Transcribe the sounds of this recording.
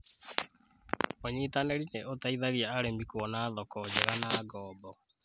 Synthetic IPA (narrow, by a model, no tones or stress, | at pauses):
oɲitaneɾineotaiðaɣiaːɾembikuɔnaðɔkɔd͡ʑɛɣanaɡɔːbɔ